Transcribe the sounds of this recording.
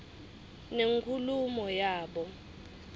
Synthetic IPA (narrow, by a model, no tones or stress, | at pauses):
neŋkʰulumɔjaːɓɔ